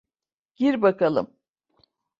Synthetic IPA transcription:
ɟ̥iɾbakalˠɯ̰m

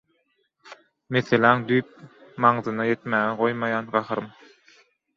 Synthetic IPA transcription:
meθelæŋd̪yjp̚mɑɴðɯnɑje̞t̪mæːɣeɢo̞jmɑjɑːnɢɑxɯɾɯm

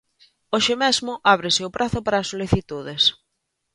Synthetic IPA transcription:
oʃɪmɛzmʊʔaβ̞ɾɪsɪʊpɾʔaθʊpaɾɐːsoliθit̪uðɪs

